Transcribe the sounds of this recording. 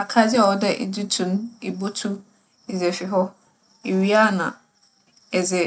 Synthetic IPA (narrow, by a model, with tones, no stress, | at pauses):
a˨kʰa˦d͡zɪ˦a˨ɔ˦dɛ˦ʔḛ˨d͡ʑi˦tʰũ˨n˦e˨bo˦tʰu˦ | e˨zɛ˨fi˨ɦɔ˦ | e˨ɥi˦a˦˨nã̰˨ | ɛ˨zɛ˨